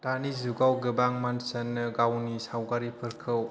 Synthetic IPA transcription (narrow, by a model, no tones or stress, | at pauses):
tanizuɡawɡɯbaŋmansanːɯɡawnisawɡaɾipʰɯɾkʰɯw